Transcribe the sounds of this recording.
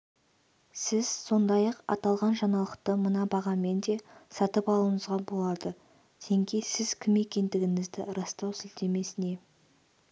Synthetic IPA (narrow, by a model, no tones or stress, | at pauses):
sɪz̥so̞nd̪ɑjɑqɑ̰t̪ɑlˠʁɑnʒɑnɑlˠəqt̪əmənɑbɑʁɑme̞nd̪e̞sɑt̪əpɑlˠuəɴəzʁɑbo̞lˠɑd̪ə | d̪ʰeŋkʲejsɪz̥kʲʰɪme̞kʲe̞nd̪ɪɡʲɪŋɪzd̪ɪɾɑst̪ɑwsɪld̪e̞me̞sɪne̞